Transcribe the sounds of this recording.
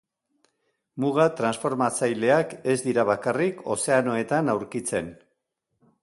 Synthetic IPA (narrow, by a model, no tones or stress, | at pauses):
muɣat̪ɾansfo̞ɾmat͡sajle̞ake̞zd̪iɾaβ̞akariko̞̰se̞ano̞e̞t̪anawɾkit͡se̞n